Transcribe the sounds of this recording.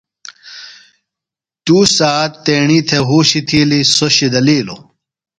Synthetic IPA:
t̪uːsaːt̪ːeːɳit̪ʰeɦuːɕit̪ʰiːlisoɕid̪ɐliːlo̰

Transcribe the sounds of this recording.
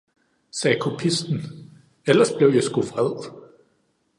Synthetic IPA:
sɛːkʰopʰisd̥n̩ | elɐsb̥le̝ʊjɑ̈ɪsɡ̥ufʁæð̰ˠ

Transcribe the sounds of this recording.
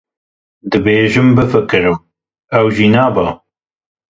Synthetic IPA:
d̪ɨbeːʒɨmbɨfɨkɨɾɨm | ɐwʒiːnaːbɐ

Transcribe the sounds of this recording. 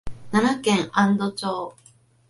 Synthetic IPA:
nanakẽ̞ɰãnd̪o̞t͡ɕoː

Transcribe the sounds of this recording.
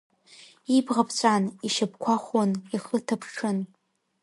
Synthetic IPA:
ibʁapʰt͡ɕʷʼaniʃap̚kʷʰaχʷoniχətʰapʰʈ͡ʂʰɨn

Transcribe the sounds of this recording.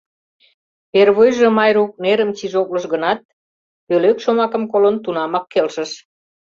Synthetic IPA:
erβojʒĕmɑjɾuk̚neɾəmt͡ɕiʒokləʃɣə̆nɑt̪̚ | øløkʃomɑkə̆mkolont̪unɑmɑkːelʃə̆ʃ

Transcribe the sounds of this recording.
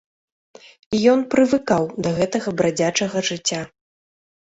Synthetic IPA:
ijɔnpɾɨvɨkawd̪ɐɣɛt̪ɐɣɐbɾad͡zʲat͡ʂɐɣɐʐɨt͡sʲːa

